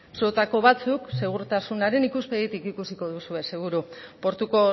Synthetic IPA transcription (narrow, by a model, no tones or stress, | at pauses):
sot̪ako̞βat͡sukse̞ɣ̞uɾt̪asunaɾe̞nikuspe̞ðit̪ikikusiko̞ðusue̞se̞ɣ̞uɾupo̞ɾt̪uko̞